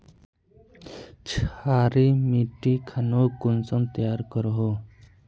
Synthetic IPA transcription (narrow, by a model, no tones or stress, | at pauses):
t͡ʃʰaːɾimiːʈikʰanokʊnsə̃nt̪jaːɾkəɾɦo